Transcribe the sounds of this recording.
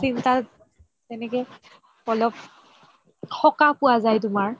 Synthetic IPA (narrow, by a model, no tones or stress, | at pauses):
sinta | tɛnɛkɛ | ɔlɔp̚ | xɔkapʊwazajt̬ʊmaɹ